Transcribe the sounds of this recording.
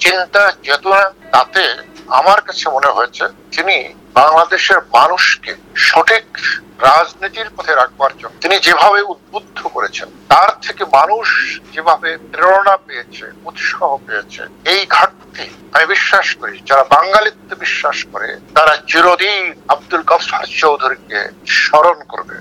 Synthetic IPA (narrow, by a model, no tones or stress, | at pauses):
t͡ɕint̪ad͡ʑet̪unat̪at̪ea̰maɾkat͡ɕʰemoneɦoet͡ɕʰet̪ini | baŋlad̪eʃeɾmanuʃkḛʃɔʈʰikɾad͡ʑnit̪iɾpɔt̪ʰeɾak̚ʰbaɾd͡ʑonːot̪inid͡ʑebʱaβeud̪̚bud̪ʱːokoɾet͡ɕʰḛnt̪aɾt̪ʰekemanuʃd͡ʑebʱabepɾeɽoɽapejet͡ɕʰḛut̪ʃɔɦopeet͡ɕʰḛejɡʱaʈt̪i | amibiʃːaʃkoɾid͡ʑaɾabaŋlalit̪ːebiʃːaʃko̰ɾḛt̪aɾad͡ʑiɾod̪iab̚d̪ulkasaɾt͡ɕowd̪ʱuɾikḛʃɔɾonko̰ɾbḛ